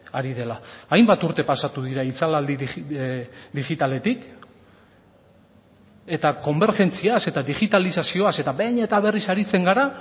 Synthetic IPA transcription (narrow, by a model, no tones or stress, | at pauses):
aɾiðe̞laːjmbat̪uɾt̪e̞pasat̪uðiɾait͡salald̪i | d̪iɣit̪ale̞t̪ik | e̞t̪ako̞mbe̞ɾʝe̞nt͡siase̞t̪aðiɣit̪alisasio̞ase̞t̪aβejɲet̪aβ̞e̞risaɾit͡se̞ŋɡaɾa